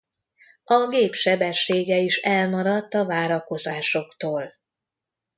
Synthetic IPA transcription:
ɒɡeːpʃɛbɛʃːeːɡɛiʃɛlmɒɾɒt̪ːɒvaːɾɒko̞zaːʃo̞kt̪oːl

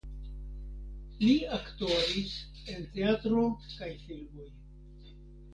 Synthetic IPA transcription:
liaktaɾis | e̞nte̞atɾokajfilmo̞j

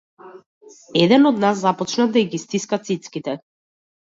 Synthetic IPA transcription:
ɛd̪ɛnɔd̪nasːapɔt͡ʃnad̪aiɡist̪iskat̪sit̪skit̪ɛ

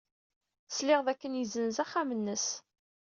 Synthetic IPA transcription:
slɪʁðækːənjizənzæχːamənːəs

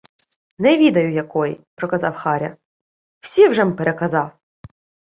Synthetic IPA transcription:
nɛʋʲid̪ɐjʊjɐkɔjḭpɾɔkɐzɑwxɑɾʲɐ̰ | w̥sʲiwʒɛmpeɾʔekɐzɑw

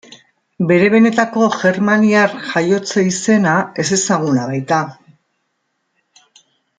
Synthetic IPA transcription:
be̞ɾe̞β̞e̞ne̞t̪ako̞ʝe̞ɾmaniaɾxajo̞t͡seise̞nae̞se̞saɣ̞unaβ̞ajt̪a

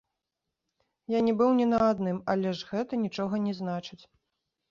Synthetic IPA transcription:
janʲɛbɨwnʲɛnɐad̪nɨmɐlʲɛʂɣɛt̪ɐnʲit͡ʂɔɣɐnʲɛznat͡ʂɨt͡sʲ

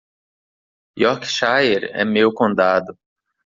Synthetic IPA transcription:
jɔkʃajeɾɛ̰mewkõnd̪ad̪ʊ

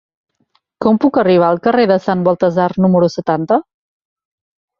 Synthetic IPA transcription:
kɔmpukəriβ̞aːlˠkəreðəsanbɔlˠt̪əzarnuməɾusət̪ant̪ə

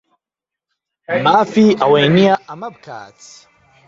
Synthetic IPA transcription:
maːfiʔaweniaamab̚kʰa̰ːt͡si̥

